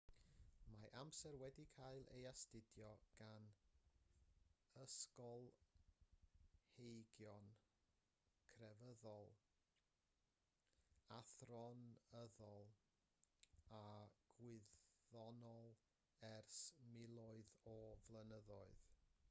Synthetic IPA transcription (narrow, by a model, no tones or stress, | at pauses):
maʔamsɛrwɛdikʰaɨlˠḛjastɪdjɔɡ̥an | əskɔlˠ | hejɡjɔn | kʰrɛvəðɔlˠ | aθrɔnəðɔlˠ | aɡ̥wɪððɔnɔlˠ | ɛrsmɪlˠɔɨðɔvlˠənəðɔɨð